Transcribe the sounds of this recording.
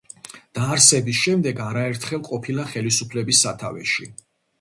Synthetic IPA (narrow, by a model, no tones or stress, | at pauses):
d̪̥aːɾsɛbisʃɛmd̪ɛɡaɾaɛɾt̪ʰχɛlˠqʼɔpʰilˠaχɛlisupʰlɛbisːat̪ʰavɛ̰ʃi